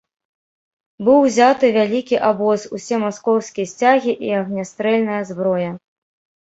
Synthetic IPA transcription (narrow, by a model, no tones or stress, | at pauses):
bɨwzʲat̪ɨvʲalʲikʲiʔabɔsusʲɛmaskɔwskʲijɐsʲt͡sʲaɣʲiʔiɐɣnʲast̪ɾɛlʲnɐjɐzbɾɔjɐ